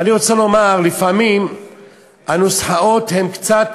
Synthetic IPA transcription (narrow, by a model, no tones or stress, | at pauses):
aniʁo̞t͡salo̞maʁlifamim | anusħao̞t̪he̞mkt͡sat̪